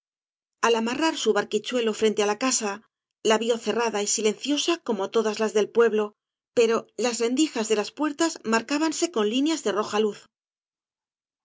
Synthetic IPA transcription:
alamaraɾsuβaɾkit͡ʃwe̞lo̞fɾe̞nt̪e̞alakasa | laβjo̞θe̞raðaisile̞nθjo̞sako̞mot̪o̞ðazlazðe̞lpwe̞βlo̞ | pe̞ɾo̞lazre̞nd̪ixazðe̞laspwe̞ɾt̪azmaɾkaβanse̞ko̞nlinjazðe̞ro̞xaluθ

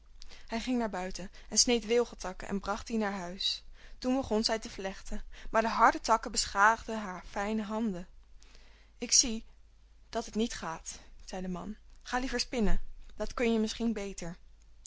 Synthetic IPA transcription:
hɛjχɪŋnaːɹbœɥtənʔɛnsnejtʋɪlˠχəltɑkəʔɛ̰nbrɑχtinaːɹɦœɥstunbəχɔnzɛjtəvlɛχtəmaːɹdəɦɑɹdətɑkəbəsχaːχdəɦaːɹfɛjnəɦɑndə | ɪksi | d̥ɑtɦətnitχaːtz̥ɛjdəmɑ̰nχaːlivəɹspɪnəd̥ɑtkɵnjəmɪsχinbejtəɹ

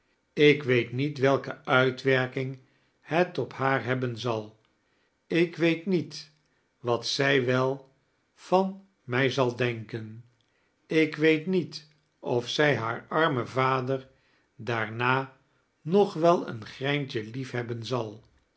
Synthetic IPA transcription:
ɪkʋejtnitʋɛlˠkəœɥtʋɛɹkɪŋ | hɛtɔphaːɹɦɛbənzɑlˠ | ɪkʋejtnit | ʋɑtsɛjʋɛlˠ | fɑn | mɛjzɑlˠdɛŋkən | ɪkʋejtnit | ɔfsɛjɦaːɹɑɹməvaːdəɹ | daːɹnaː | nɔχʋɛlˠə̰nχrɛjntəlifɦɛbənzɑlˠ

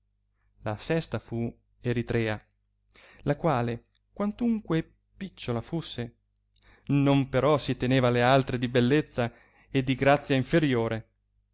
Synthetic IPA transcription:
la̰fɛst̪afu | eɾit̪ɾɛːa | lakwaːle | kwant̪uŋkwe | pit͡ʃːolafusːe | nompeɾɔsit̪eneːvalealt̪ɾed̪ibelːet̪sːa | ed̪ːiɡɾat̪sːjaiɱfeɾjoːɾe

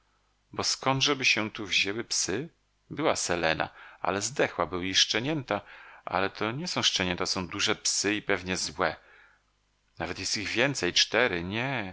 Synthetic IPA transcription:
bɔskɔnd̪ʐɛbɘɕɛt̪uvʑewɘpsɘ | bɘwasɛlɛna̰a̰lɛzd̪ɛxwabɘwiʂt͡ʂɛɲɛnt̪aʔa̰lɛt̪ʰɔɲɛsɔ̃w̃ʂt͡ʂɛɲɛnt̪asɔ̃w̃d̪uʐɛpsɘipɛvɲɛzwɛ | navɛt̪jɛst̪iɣvʲjɛnt̪sɛjt͡ʂt̪ɛɾɘɲɛ

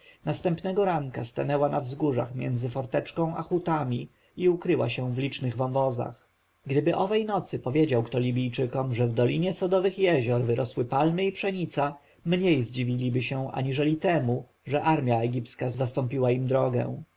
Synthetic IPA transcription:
nast̪ɛmpnɛɡɔɾaŋkast̪anɛwanavzɡuʐa̰xmʲjɛ̰nd̪zɘfɔɾt̪ɛt͡ʂkɔ̃w̃ʔa̰xut̪amʲi | iukɾɘwaɕɛ̃vlʲit͡ʂnɘɣvɔ̃nvɔza̰x | ɡd̪ɘbɘʔɔvɛjnɔt̪sɘpɔvʲjed͡ʑawkt̪ɔlʲibʲijt͡ʂɘkɔmʐɛvd̪ɔlʲiɲɛsɔd̪ɔvɘxjɛʑɔɾvɘɾʔɔswɘpalmɘipʂɛɲit̪sa | mɲejzd͡ʑivʲilʲibɘɕɛ̃ʔa̰ɲiʐɛlʲit̪ɛmu | ʐɛʔaɾmʲjaɛɡʲipskazast̪ɔmpʲiwaimd̪ɾɔɡɛ̰̃w̃

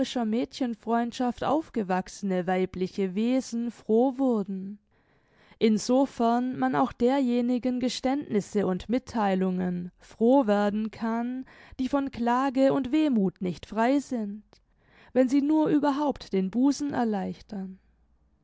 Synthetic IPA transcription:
ɪʃɐmɛːtçənfʁ̥ɔʏntʃaftʔa̰ʊfɡ̥əvaksənəvaɪplɪçəveːzn̩fʁ̥oːvʊɐdn̩ | ʔɪnzofɛɐnmana̰ʊxd̥eːɐjeːnɪɡənɡəʃtɛntnɪsəʊntmɪtʰːaɪlʊŋənfʁ̥oːveːɐdn̩kʰand̥iːfɔnkl̥aːɡəʊntv̥eːmuːtnɪçtfʁ̥aɪzɪnt | vɛnziːnuːɐʔyːbɐɦaʊptd̥eːnbuːzn̩ʔɛ̰ɐlaɪçtɐn

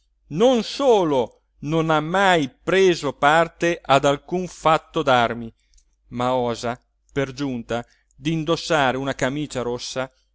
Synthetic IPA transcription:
nonsoːlo | nonamːajpɾeːzopart̪eʔad̪alkuɱfat̪ːod̪armi | maɔːza | perd͡ʒunt̪a | d̪ind̪osːaːɾeunakamiːt͡ʃaɾosːa

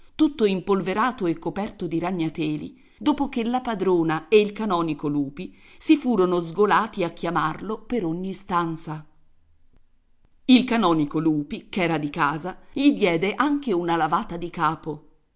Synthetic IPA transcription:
t̪ut̪ːoimpolveɾaːt̪oekːopɛrt̪od̪iɾaɲːat̪ɛːlḭ | d̪oːpok̟elapad̪ɾoːnaeilkanɔːnikoluːpi | sifuːɾonozɡolaːt̪iakːjamarlopeɾoɲːist̪ant̪sa | ilkanɔːnikoluːpikɛːɾad̪ikaːzaʎid̪jɛːd̪eʔaŋk̟eunalavaːt̪ad̪ikaːpo

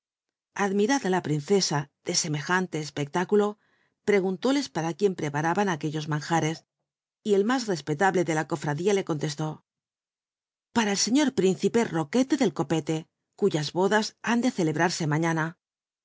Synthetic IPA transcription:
aðmiɾaðalapɾinθe̞sað̥e̞se̞me̞xant̪e̞ːspek̚t̪akulo̞ | pɾe̞ɣ̞unt̪o̞le̞spaɾakje̞mpɾe̞paɾaβanake̞ʎo̞zmãŋxaɾe̞s | ie̞lmazre̞spe̞t̪aβle̞ðe̞lako̞fɾaðiale̞ko̞nt̪e̞st̪o̞ | paɾaelse̞ɲo̞ɾpɾin̟θipe̞ro̞ke̞t̪e̞ðe̞lko̞pe̞t̪e̞ | kuʝazβo̞ðasand̪e̞θe̞le̞βɾaɾse̞maɲana

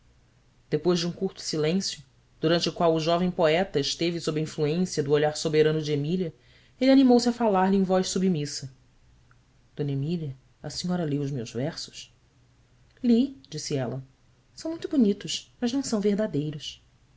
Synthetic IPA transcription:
d̪̥epojzʒd͡ʒɪũkuɾt̪ʊ̥silẽsjʊ | d̪̥uɾɐ̃nt͡ʃɪʊkwawʊʒɔvẽj̃poɛt̪ɐɪʃt̪evɪsobɾɪĩfluẽsiɐd̪ʊoʎaɾsobeɾɐ̃nʊd͡ʒɪemiliɐ | elɪanimowsɪɐfalaɾlɪẽj̃vɔjʃsubimisɐ | d̪̥õnemiliɐ | ɐsĩɲɔɾɐliwʊzmewzvɛɾsʊ̥s | lid͡ʒisiɛlɐ | sɐ̃w̃mũj̃t̪ʊbunit̪ʊʃmɐznɐ̃w̃sɐ̃w̃veɦd̪ad̪ejɾʊs

